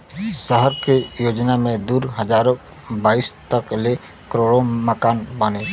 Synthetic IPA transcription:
səɦəɾkejod͡ʒnamed̪uɾɦəd͡ʒaɾo | baist̪əkle | kəɾoɽoməkanbəne

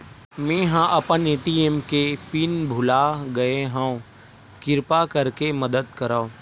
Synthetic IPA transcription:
mẽːɦãːʔɐpəneːʈiːeːmkepiːnbʱʊlaɡɐeɦãːũ | kɪɾpakɐɾkemɐd̪əd̪̚kɐɾaːũ

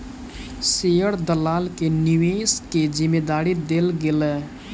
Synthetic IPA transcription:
sejəɽd̪əlaːlkeniʋeːsked͡ʒɪmːed̪aːɾid̪elɡelɛ

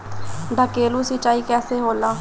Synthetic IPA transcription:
ɖʱəkeːluːsit͡ʃaːiːkɛːseːɦoːlaː

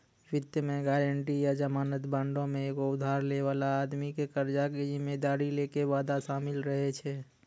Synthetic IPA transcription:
ʋɪt̪jəmẽɡɛːɾəɳʈijad͡ʒəmaːnət̪bãːɳɖõmẽeːɡoʊd̪ʱaːɾleʋaːlaːd̪mikekəɾd͡ʒaked͡ʒɪmːed̪aːɾilekeʋaːd̪aʃaːmɪlɾəɦet͡ʃʰɛ

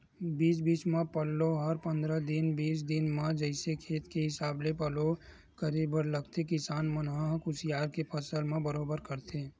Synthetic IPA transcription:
biːsbiːt͡ʃmãpəlːoɦəɾpə̃nd̪ɾəd̪ɪnbiːs̬d̪ɪnmãd͡ʒəɪsekʰeːt̪keɦɪsaːblepəlo | kəɾebəɾləɡt̪ʰekɪsaːnmənɦãɦkʊsijaːɾkepʰəsəlmẽbəɾoːbəɾkəɾt̪ʰeː

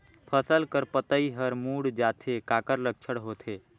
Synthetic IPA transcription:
pʰəsəlkəɾpət̪əiɦəɾmuɽd͡ʒat̪ʰekakəɾlək̚t͡ʃʰəɽɦot̪ʰe

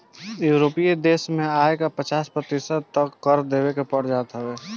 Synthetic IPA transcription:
juːɾoːpied̪eːsmẽaːekapət͡ʃaːspɾət̪isəd̪̚t̪əkːəɾd̪eːwekepəɽd͡ʒaːt̪ɦɛʋeː

